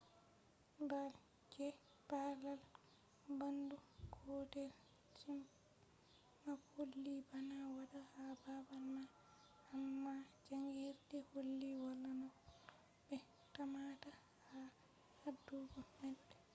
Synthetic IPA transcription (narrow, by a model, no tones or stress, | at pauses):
bal | d͡ʒɛ | palal | bandukʰɔtɛl | t͡ʃim | makolːibanawadahababalma | amːad͡ʒaŋɡeɾdɛholːiwalːanɔ | bɛ | tamata | ha | hadːuɡɔmadɛ